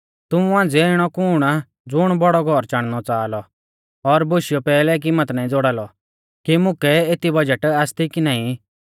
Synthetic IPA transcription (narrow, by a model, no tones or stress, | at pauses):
t̪ʊmuãːnd͡zeɪɽ̃ɔkʊːɽ̃a | d͡zʊɽ̃bɔɽɔɡʱɔɾt͡ʃaːɽ̃nɔt͡saːlɔ | ɔɾbʊʃɪjɔpɛːlɛk̬imət̪naːĩd͡zoɽaːlɔ | kimʊkɛet̪ibɐd͡ʒəʈaːst̪ikinãːĩ